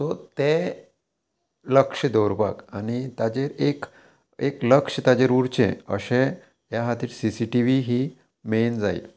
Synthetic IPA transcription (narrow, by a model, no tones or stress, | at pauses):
t̪ɔt̪e | ləkʂəd̪ɔɾba̰kanit̪ad͡ʑeɾek | ekləkʂt̪ad͡ʑeɾuɽt͡ɕḛ̃ə̰ɕẽ | jaɦat̪iːt̪sisiʈiʋiɦi | mend͡za̰ḭl